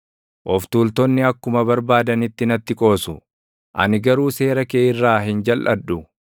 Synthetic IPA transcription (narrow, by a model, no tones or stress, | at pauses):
ʔɔft̪uːlt̪ɔnːɪɐkːʊmɐbɐɾbaːd̪ɐnɪt̪ːɪnɐt̪ːɪkʼo̞ːsʊ | ʔɐ̰nɪɡɐɾuːse̞ːɾɐkeːʔɪrːaːɦɪnd͡ʒɐlʔɐdːʊ